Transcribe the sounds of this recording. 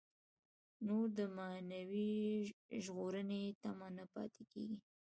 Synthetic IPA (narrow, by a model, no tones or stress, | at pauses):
noɾd̪əmanawi | ʒɣoɾənet̪amɑnapɑ̰t̪ekḛɡi